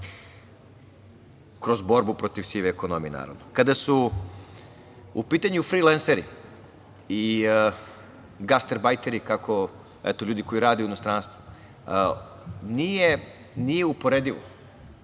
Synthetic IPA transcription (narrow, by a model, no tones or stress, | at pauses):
kɾo̞zbo̞ɾbupɾo̞t̪iʋsiːʋeeko̞no̞mijena̰ːɾa̰ʋnokad̪asu | upiːt̪aɲufɾilenseɾḭ | i | ɡast̪eɾbajt̪eɾikakʰo̞ | ɛ̰t̪oʎuːd̪iko̞iɾaːd̪euino̞st̪ɾaːnst̪ʋo | nije | nijeupo̞ɾed̪iʋo̰